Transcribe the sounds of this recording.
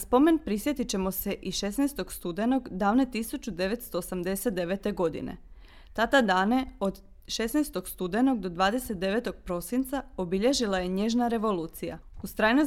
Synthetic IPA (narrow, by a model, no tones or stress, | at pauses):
naspo̞me̞npɾisje̞t̪it͡ɕe̞mo̞se̞ʔiʃe̞snejst̪o̞ɡst̪ud̪e̞no̞ɡd̪aːʋne̞t̪isut͡ɕud̪e̞ʋet̪st̪o̞ːsamd̪e̞se̞t̪d̪e̞ʋe̞t̪e̞ɡo̞d̪ḭnḛ | t̪at̪ad̪aːne̞o̞d̪ | ʃesnejst̪o̞ɡst̪ud̪e̞no̞ɡ̚d̪o̞d̪ʋaːd̪e̞set̪̚d̪e̞ʋet̪o̞ɡ̥̚pɾo̞sint̪saobiʎe̞ʒilaje̞ɲe̞ʒnaɾe̞ʋo̞luːt̪sija̰ust̪ɾajno